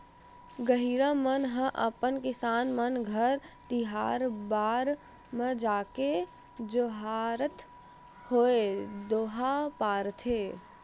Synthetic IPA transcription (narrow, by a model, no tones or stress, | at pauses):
ɡəɦiːɾãmənɦə̃ʔəpənkɪsaːnmənɡʱəɾt̪ɪɦa̰ːɾbaːɾ | mə̃d͡ʒaːke | d͡ʒoɦaːɾət̪ | hoːed̪oːɦapaːɾt̪ʰeː